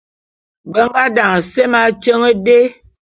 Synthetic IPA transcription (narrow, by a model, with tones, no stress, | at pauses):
bə˦ŋ˦ɡa˦da˨ŋ˨se˦ma˦t͡ʃə˦ŋə˦de˦